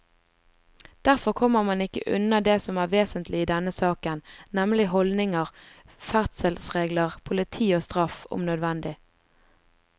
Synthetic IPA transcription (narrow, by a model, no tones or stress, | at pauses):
d̪̥æʁfɔʁkʰɔmːəʁmɑnɪkə̰ʔʉ̰nəd̪eːsɔmæːʁʋeːsənt̪lɪiːd̪ɛnəsɑːkənnɛmlɪɦɔld̪nɪŋəʁ | fæʁt̪səlsʁeːɡləʁpʰʊlɪt̪ʰiːoːst̪ʁɑfʊ̰mnœd̪ʋɛnd̪ɪ